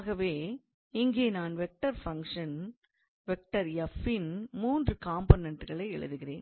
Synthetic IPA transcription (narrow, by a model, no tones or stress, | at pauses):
aːɣɐʋeː | ɪŋɡeːnaːnʋɛk̚ʈɐɾfɐŋkʂɐn | ʋɛk̚ʈɐɾjɐfɪnmuːndrɯkaːmbonɛɳʈɯɣɐɭɐɪɛɭɯ̰ðɯɣɪrḛːn